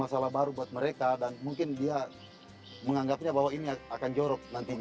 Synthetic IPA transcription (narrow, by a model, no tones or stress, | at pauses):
asalahbaɾubuat̪̚mɛɾekadanmuŋkindia | məŋaŋɡapiɲabawainiaakand͡ʒɔɾɔk̚nant̪i